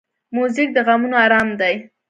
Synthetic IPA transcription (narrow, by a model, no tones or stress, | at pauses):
muzɪk̚d̪əɣamunoaɾɑmd̪aj